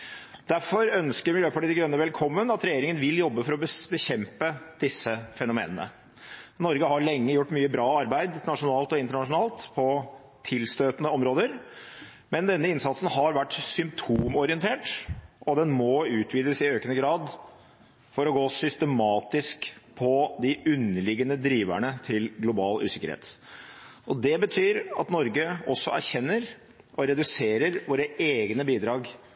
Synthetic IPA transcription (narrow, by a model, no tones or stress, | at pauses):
d̪̥æɾfɔɾœnskəɾmɪljøːpʰɑʈiːd̪ɪɡɾœnːəʋɛlkʰɔmːənɑt̪ɾɛjeːɾɪŋənʋɪljɔbːəfɔɾɔbəbəɕɛmpəd̪̥ɪsːəfɛnʊmḛːnənə̰ | nɔɾɡəhɑɾɭɛŋːəjʊʈːmyːəbɾɑːɑɾbæɪd̪nɑʂʊnɑːlt̪ɔɪnt̪əɳɑʂʊnɑːlt̪pʰɔ | t̪ʰɪlst̪øːt̪ənəɔmɾoːd̪əɾ | mɛnd̪ɛnːəɪnsɑt̪sən̩ɦɑɾʋæʈːsʏmpt̪ʰuːmɔɾɪənt̪ʰeːʈʔɔd̪ɛnmɔʉːt̪ʰʋiːd̪əsɪøːkənəɡɾɑːd̪ | fɔɾɔɡoːsʏst̪əmɑːt̪ɪskpʰɔd̪ɪʔʉnːəlɪɡənəd̪ɾiːʋæ̰ɳət̪ʰɪlɡlʊbɑːlʉ̰ːsɪkə̰ɾhḛːt̪ | ʔɔd̪ɛbət̪ʰyːɾɑ̰t̪nɔɾɡəɔsːɔʔæɾçɛnːəɾ | ʔɔɾɛd̪ʉseːɾəɾʋoːɾəeːɡnəbiːd̪ɾɑːɡ